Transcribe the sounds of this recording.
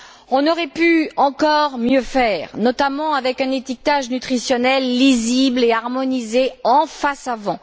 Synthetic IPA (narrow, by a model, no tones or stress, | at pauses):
ɔ̃nɔʁɛpyɑ̃kɔʁmjøfɛːʁnɔt̪amɑ̃avɛkɛ̃net̪ik̚t̪aʒnyt̪χisjɔnɛlːizibleaʁmɔnizeɑ̃fasavɑ̃